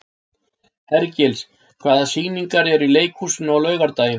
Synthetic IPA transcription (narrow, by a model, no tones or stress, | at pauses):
hɛɾcɛls | kʰv̥aːðasiɣniŋkaɾɛɾileːjkhusʏnʏɔwlœːɥɣaɾt̪aːjɪ